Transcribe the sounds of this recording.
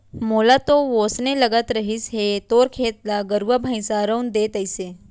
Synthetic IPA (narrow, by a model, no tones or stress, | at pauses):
moːlat̪oʋoːsnelɐɡət̪ɾəɦɪsɦet̪oːɾkʰeːt̪laɡəɾuʋabʱəj̃saːɾəwnd̪eːt̪əɪse